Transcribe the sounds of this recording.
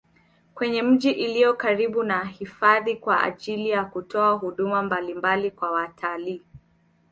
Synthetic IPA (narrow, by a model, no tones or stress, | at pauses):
kwɛɲɛm̩ʄiʔilijɔkaɾiɓunahifaðikwaa̰ʄilijakutɔaɦuɗumambalimbalikwawatʰaliː